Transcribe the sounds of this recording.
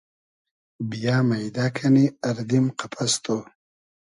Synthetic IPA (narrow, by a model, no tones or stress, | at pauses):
bijaːmajd̪akʰaniaɾd̪imqapʰast̪ʰo